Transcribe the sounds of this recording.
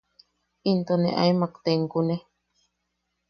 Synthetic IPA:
int̪onḛʔa̰imakt̪eŋkune

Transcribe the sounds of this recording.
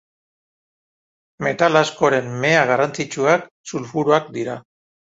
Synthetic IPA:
me̞t̪alasko̞ɾe̞mːe̞aɣ̞arant͡sit͡ʃuak | sulfuɾuak̚d̪iɾa

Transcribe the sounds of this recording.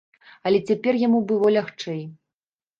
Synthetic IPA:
ɐlʲɛt͡sʲapʲɛrjamubɨlˠɔlʲaxt͡ʂɛj

